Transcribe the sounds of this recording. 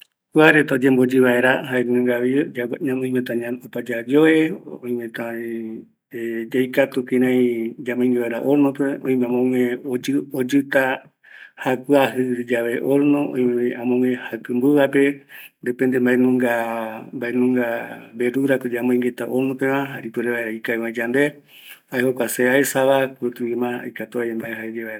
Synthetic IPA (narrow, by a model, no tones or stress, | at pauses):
kuaɾet̪aod͡ʒembod͡ʒɨβaeɾaɦaenũŋɡaβiɲãmõĩmẽt̪ãɲaopad͡ʒad͡ʒoeõj̃mẽt̪ã | ed͡ʒajkat̪ukĩɾãĩd͡ʒamõĩŋɡeβaeɾa̰ʔoɾnõpeõj̃mẽamõŋẽood͡ʒɨt̪a | hakɨaɦɨd͡ʒaʋe̞ʔoɾnõõ̰jmeãmõŋẽhakɨmbɨβape̞nd̪epend̪embaenũŋɡambaʔenũŋɡabeɾuɾakod͡ʒamõĩŋɡet̪aʔoɾnõpẽʋãɦaɾipɨɾeβaeɾaikaeβãĩd͡ʒand̪e | aehokʷaseaesaβakɾut̪uimãa̰jkat̪uaembaeɦaed͡ʒeβaeɾa